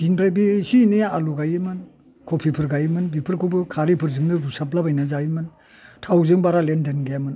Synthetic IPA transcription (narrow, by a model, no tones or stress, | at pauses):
iŋdɾajbisinɯaluɡajɯmɯn | kʰopʰipʰɯɾɡajɯmɯnbipʰɯɾkʰubɯkʰaɾipʰɯɾzɯŋnɯɾusaplabajnazajimɯn | tʰawzɯŋbaɾalendenɡajamɯn